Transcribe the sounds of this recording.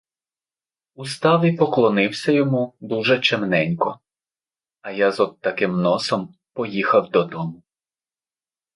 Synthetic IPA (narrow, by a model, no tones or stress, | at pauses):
ust̪ɑʋʲipɔklˠɔnɪwsʲɐjɔmud̪uʒɛt͡ʃɛmnɛnʲkɔ | ɐjazɔd̪̚t̪ɐkɪmnɔsɔm | pɔjixɐwd̪ɔd̪ɔmʊ